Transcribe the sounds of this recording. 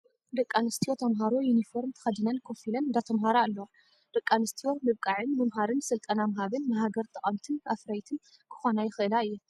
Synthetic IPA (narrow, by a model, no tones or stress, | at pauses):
d̪ɐkʼːanɨst̪ʰio̞t̪ʰɐmɦaɾojunifo̞ɾmt̪ʰɐ̥xɐd̪ɨnɐnkʰofilɐnd̪at̪ʰɐmɦaɾaːlːɐ | d̪̥ɨkʼːanɨst̪ʰijo̞mɨβkʼaʕɨnmɨmɦaɾɨnsɨlt̪ʼɐnamɦaβɨnːɨɦaɡɐɾt̪ʼɐχʼɐmt̪ʰɨnafɾajt̪ʰɨn | kʰɨ̥xonajɪxɨʔɨlaɨjːu